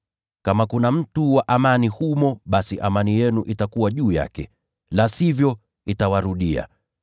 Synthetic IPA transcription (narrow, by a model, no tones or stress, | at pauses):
kamakunam̩tuwaʔamanihumɔɓasiʔamanijɛnuʔitakuwaʄuːja̰kɛ | lasivjɔ | itawaɾuɗia̰